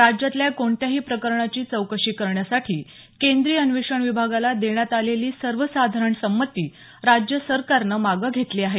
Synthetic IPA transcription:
ɾad͡ʑjat̪ljakoɳt̪jaɦiːpɾəkəɾɳat͡ɕiːt͡səwkəɕiːkəɾɳjasaʈʰiː | kend̪ɾiːənʋiʂəɳʋibʱaɡalad̪eɳjat̪aleliːsəɾʋəsad̪ʱaɾəɳsəmːət̪iː | ɾad͡ʑjəsəɾkaɾnəmaɡəɡʱet̪liːaɦe

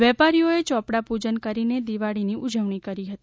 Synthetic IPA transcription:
ʋɛpaɾijoet͡ʃɔpɽapud͡ʒənkəɾined̪iʋaɽiniʔud͡ʒəʋɳikəɾiɦət̪i

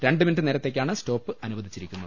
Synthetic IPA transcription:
ɾe̞ɳɖɨminʈːɨniɾɐt̪ːe̞ːkʲːaːɳɨsto̞ːpːɨɐnuʋɐd̪ʱit͡ɕːiɾikʲːunːɐðɨ

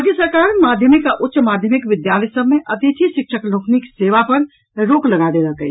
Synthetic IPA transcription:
ɡesəɾkaɾmaːd̪ʱjəmikaʔʊtːʃmad̪ʱjəmikʋɪd̪jalɛjsəbmeʔɐt̪it̪ʰisɪkʃʰəkloːkʰnikseʋapəɾ | ɾoːkləɡad̪eləkə̰j

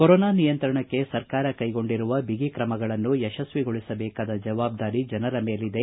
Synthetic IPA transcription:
kɔɾɔːnaːnijɐnt̪ɾɐɳɐkːe̞sɐɾkaːɾɐkɐjɡo̞ɳɖiɾuʋɐbʱiɡikɾɐmɐɡɐɭɐnːuɛʃɐsʋiɡoɭisɐbɛːkaːd̪ɐd͡ʒɐʋaːb̚d̪aːɾid͡ʒɐnɐɾɐme̞ːlid̪e̞

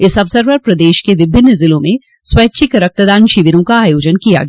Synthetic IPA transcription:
ɪsɐʋsəɾpɐɾpɾɐd̪eːʃkeʋɪbʱɪnːəzɪlõmẽ | swɛːtːt͡ʃʰikɾək̚t̪əd̪aːnʃɪʋɪɾõkaaːjoːd͡ʒənkija̰ɡ

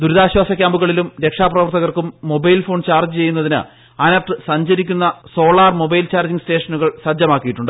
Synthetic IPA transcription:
d̪uɾuðaːɕwaːsɐkʲjaːmbuɣɐɭilumɾe̞kʂaːprɐʋɐrt̪ʰɐɣɐrkumːo̞bɐjlfo̞ːɳt͡ɕaːrd͡ʑɨt͡ɕe̞jːunːɐðinɨ̰ | ɐnɐpʈːɨsɐɲd͡ʑɐɾikʲːun̪ːɐso̞ːɭaːrmo̞bɐjlt͡ɕaːrd͡ʑiŋsʈe̞ːʂɐnuɣɐɭsɐd͡ʑɐmaːkːijiʈːuɳɖɨ

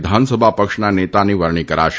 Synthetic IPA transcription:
d̪ʱansəbʱapəkʂnanet̪aniʋəɾɳ̃ikəɾa̰ʃ

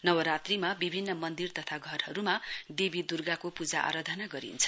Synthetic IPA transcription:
nʌwʌɾat̪rimabibʱinːʌmʌnd̪irt̪ʌt̪ʰaɡʱʌrɦʌɾumad̪ebid̪urɡakopud͡zaʔa̰ɾad̪ʱʌnaɡʌɾḭnt͡sʰʌ̥

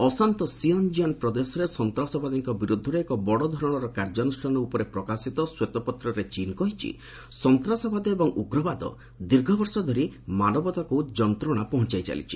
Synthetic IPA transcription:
ɔsant̪ɔsiɔnd͡ʒianpɾɔd̪esɔɾesɔnt̪ɾasɔbad̪iŋkɔbiɾud̪ʱːɔɾɔekɔbɔɽɔd̪ʱɔɾɔɽ̃ɔɾɔkaɾd͡ʒɔnusʈɔnɔupɔɾepɾɔkasit̪ɔswet̪ɔpɔt̪ɾɔɾet͡ʃinkɔɦit͡ʃʰḭ | sɔnt̪ɾasɔbad̪ɔebɔŋuɡɾɔbad̪ɔ̰ | d̪iɾɡʱɔbɔɾsɔd̪ʱɔɾimanɔbɔt̪akud͡ʒɔnt̪ɾɔɽ̃apɔɦɔnt͡ʃajt͡ʃa̰lḭt͡ʃʰi

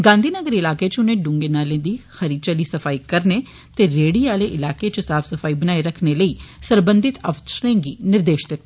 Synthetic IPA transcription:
ɡãːnd̪iːnəɡəɾiɪlaːket͡ʃʊnẽːɖʊ̃ŋɡeːnaːlẽːd̪iːxəɾiːd̪̚t͡ʃəliːsəfʰaːikəɾneː | t̪eːɾeːɽiːaːleːʔɪlaːket͡ʃəsaːpʰsəfʰaːibənaːeɾəkʰneləiːsəɾbə̃nd̪ɪt̪əʋtɾẽːɡiːnɪɾd̪eːʃd̪ɪt̪ː

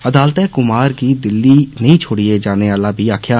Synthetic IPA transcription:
əd̪aːlt̪ɛ̃ːkʊmaːɾkiːd̪ɪlːiːnəĩːt͡ʃʰoːɽied͡ʒaːneːʋaːlaːbʱiːaːkʰjaː

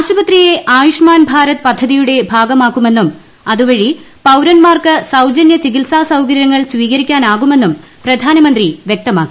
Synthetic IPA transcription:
aːɕubɐt̪rije̞ʔaːjuʂmaːnbʱaːɾɐt̪pɐd̪ʱːɐðijuɽe̞bʱaːɡɐmaːkːume̞nːum | ɐðuʋɐɻi | pɐwɾɐnmaːrkɨsɐwd͡ʑɐnjɐt͡ɕikilsaːsɐwkɐɾjɐŋːɐɭsʋiːkɐɾikʲːaːnaːɣume̞nːum | prɐd̪ʱaːnɐmɐnd̪riʋjek̚t̪ɐma̰ːkːi

